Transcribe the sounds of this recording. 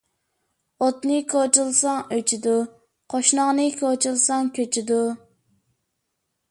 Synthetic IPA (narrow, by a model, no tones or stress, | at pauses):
ot̪nɨkʰot͡ʃulˠsɑŋøt͡ʃʰɪd̪u | qʰoʃnɑʁnɨkʰot͡ʃʰilˠsɑŋkʲʰøt͡ʃʰɪd̪u